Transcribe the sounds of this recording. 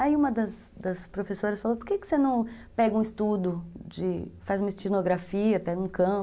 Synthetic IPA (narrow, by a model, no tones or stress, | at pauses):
aiũmɐd̪ɐs | d̪ɐspɾofesoɾɐsfalopoɾkekɪ̥senɐ̃w̃ | pɛɡɐũɪst̪ud̪ʊd͡ʒɪfazumɐɪst͡ʃinoɡɾafiɐpɛɡɐũkɐ̃